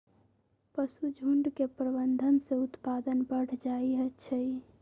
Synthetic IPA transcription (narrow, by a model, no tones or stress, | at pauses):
pəsud͡ʒʱuɳɖkepɾəbənd̪ʱənseut̪pad̪ənbəɽ̤d͡ʒaiɦət͡ʃʰəj